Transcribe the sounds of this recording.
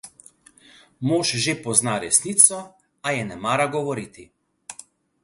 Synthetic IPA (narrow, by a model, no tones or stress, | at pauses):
moːʃʒepɔznaɾɛsniːt̪sɔ | ajɛnɛmaːɾaɡɔʋɔɾiːt̪i